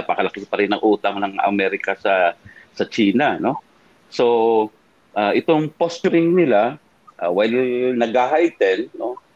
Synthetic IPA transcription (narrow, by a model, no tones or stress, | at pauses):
apɐkɐlɐkɪpɐɾɪnːɐŋʔuːt̪ɐŋnɐŋɐ̰mɛɾɪkɐsɐsɐt͡ʃiːnɐno̞ | so̞ | ʔaʔɪt̪o̞ŋpost͡ʃʊɾɪŋnɪla | ʔawajlnɐɡaɦajt̪ɛlno̞